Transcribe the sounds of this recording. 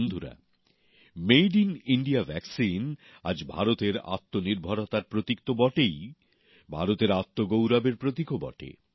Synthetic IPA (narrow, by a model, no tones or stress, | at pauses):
nd̪ʱuɾa̰ | mejɖiniɳɖiavʱɛksin | a̰d͡ʑbʱa̰ɾot̪eɾa̰t̪ːoniɾbʱaɾot̪aɾpɾot̪ikt̪obɔʈej | bʱa̰ɾot̪eɾat̪ːoɡowɾabeɾpɾot̪ikobɔ̰ʈḛ